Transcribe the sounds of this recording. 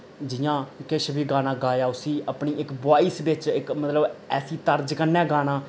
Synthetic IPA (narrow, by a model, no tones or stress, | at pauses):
d͡ʒɪjãːkɪʃbiːɡaːnãːɡaːjaːʊsiːəpɳiːɪkbaːiːsʋɪt͡ʃɪkmət̪ləbɛːsiːt̪əɾd͡ʒkənːɛ̃ːɡaːnãː